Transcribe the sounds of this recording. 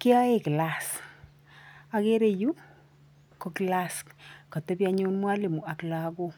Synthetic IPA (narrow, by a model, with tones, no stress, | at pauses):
ke˦a˦e˦kɪ˨la˨s | a˨ke˦ɾe˨ju˦ | ko˨kɪ˨la˨sko˨te˦pja˦ɲo˦nmwa˦le˨mu˨a˨kla˨˦ɡo˦